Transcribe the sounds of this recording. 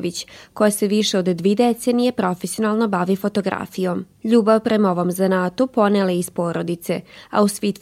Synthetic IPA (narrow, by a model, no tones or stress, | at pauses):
ʋit͡ɕko̞jaseʋiʃeod̪ːʋeːd̪et̪se̞nijepɾo̞fesio̞nalˠno̞baʋifo̞t̪o̞ɡɾa̰ːfijo̞m | ʎuːbaʋpɾemoʋomzanat̪opo̞neleispo̞ːɾo̞d̪it̪se̞a̰usʋit̪